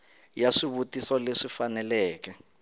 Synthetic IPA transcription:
jaʂiβutisɔleʂifanɛlɛːkɛ

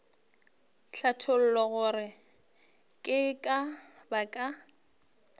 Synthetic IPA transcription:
ɬatʰol̩lɔɣʊrɪ | kʼɪkʼabakʼa

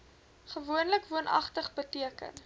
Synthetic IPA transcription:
χəvuənləkvuənʔɐ̰χtəχbətiəkə̰n

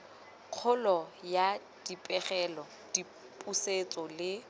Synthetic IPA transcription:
q͡χʰʊlɔja | d̥ipʼɛχɛlɔ | d̥i | pʼuset͡sʼɔlɪ

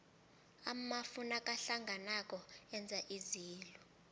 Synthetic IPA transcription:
amafunakʼaɬaŋɡʱanak̬ʼɔɛnd͡zʱaʔiziːlɔ

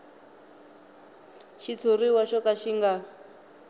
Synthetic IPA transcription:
ʃit͡sʰuriwaʃɔkaʃiŋɡa

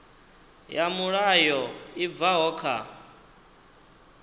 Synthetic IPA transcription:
jamuɺajɔib̪vaɦɔːkʰa̰

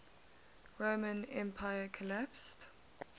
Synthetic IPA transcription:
ɹoːmə̃nɛ̃mpʰaɪəkʰəlæpst

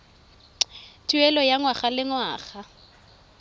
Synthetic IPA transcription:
tʼuɛlɔjaŋwaχalɪŋwaːχa

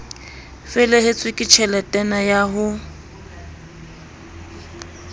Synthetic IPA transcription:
fɛlɛɦɪt͡sʼwɪkʼɪt͡ʃʰɛlɛtʼɛnajaɦʊ

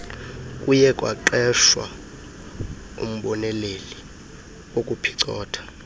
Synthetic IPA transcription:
kʼujɛkʼwa̰ǃɛʃwa̰ | ṵm̩ɓɔnɛleli | okʼupʰi̥ǀɔːtʰḁ

